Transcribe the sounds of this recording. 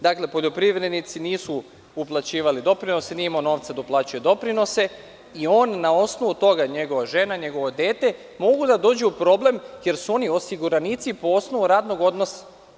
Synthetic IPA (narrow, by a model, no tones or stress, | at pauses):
d̪akle̞po̞ʎo̞pɾiʋɾe̞d̪nit̪siniːsu | uplˠat͡ɕiːʋalid̪o̞pɾino̞senimono̞ːʋt̪sad̪oplˠaːt͡ɕujed̪o̞pɾino̞se̞ | io̞ːnːao̞sno̞ʋut̪o̞ɡaɲe̞ɡo̞ʋaʒe̞naɲe̞ɡo̞ʋod̪ʲe̞ːt̪e̞ | mo̞ɡud̪ad̪o̞ːd͡ʑuupɾo̞ːble̞mje̞ɾsuo̞nio̞siɡuɾanit̪sipoo̞sno̞ʋuɾaːd̪noɡo̞d̪nosḁ